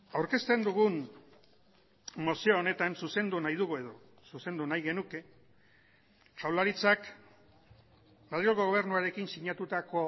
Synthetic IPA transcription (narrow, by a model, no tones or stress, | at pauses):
awɾke̞st̪e̞nd̪uɣun | mo̞sioːne̞t̪ansuse̞nd̪unajðuɣue̞ðo̞ | suse̞nd̪unajɣe̞nuke̞ | t͡ʃawlaɾit͡sak | malioɣo̞ɣo̞β̞e̞ɾnuaɾe̞kinsiɲat̪ut̪ako̞